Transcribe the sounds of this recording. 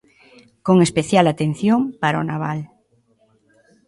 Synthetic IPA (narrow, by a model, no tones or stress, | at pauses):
koŋespeθjalat̪en̟θjompaɾonaβ̞al